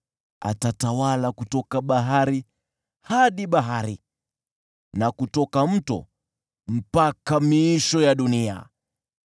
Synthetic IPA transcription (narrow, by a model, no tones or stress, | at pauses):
a̰tatawalakutɔkaɓaɦaɾi | haɗiɓaɦaɾi | nakutɔkam̩tɔ̰ | m̩pakamiiʃɔjaɗunia̰